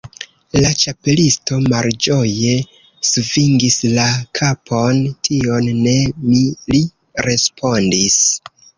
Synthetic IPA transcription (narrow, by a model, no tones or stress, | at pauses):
lat͡ʃape̞listo̞mald͡ʒo̞je̞ | suviŋɡislakʰapʰo̞ntʰio̞nːe̞mili | ɾe̞spʰo̞ndis